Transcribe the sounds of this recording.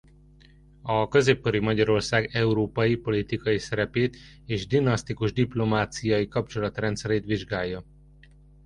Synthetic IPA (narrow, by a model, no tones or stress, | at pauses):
ɒkø̞zeːpkøɾimɒɟɒɾo̞rsaːɡɛuɾoːpɒjipo̞lit̪ikɒjisɛɾɛpeːt̪ | eːʒd̪inɒst̪ikuʒd̪iplo̞maːt̪sijɒjikɒpt͡ʃo̞lɒt̪rɛnt̪sɛɾeːt̪ʋiʒɡaːjːɒ